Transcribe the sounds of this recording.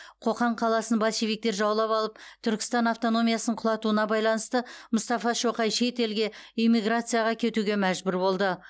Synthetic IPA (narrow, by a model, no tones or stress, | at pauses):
qʰo̞qɑɴqʰɑlˠɑsənbɑʃivʲijk̚t̪e̞ɾʒɑwəlˠɑpɑlˠəp̚t̪ʰʏɾkʲɪ̥st̪ɑnaft̪o̞no̞mijasnəɴqʰʊlˠɑt̪uənɑbɑjlˠɑnəst̪əmʊst̪ɑfɑʃo̞qɑjʃe̞t̪e̞lɡʲe̞ijmiɡrat̪sɨjaʁɑkʲʰe̞t̪uɡʲe̞mæʒbʏɾbo̞lˠd̪ə